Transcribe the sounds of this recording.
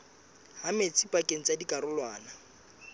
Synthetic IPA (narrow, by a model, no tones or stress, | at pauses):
hamet͡sʰʼipʼakʼeŋ̩t͡sʼadikʼaɾʊlwaːna